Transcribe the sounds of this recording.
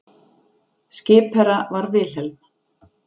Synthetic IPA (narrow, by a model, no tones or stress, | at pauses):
scɪːpɛɾavaɾvɪl̥ɛlm